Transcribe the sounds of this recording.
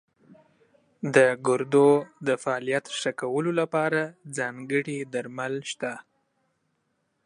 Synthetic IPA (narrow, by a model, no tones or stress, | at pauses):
d̪əɡʊɾd̪od̪əfaːlijat̪ʃakawəlolapɑɾad͡zɑŋɡəɽid̪aɾmalʃt̪a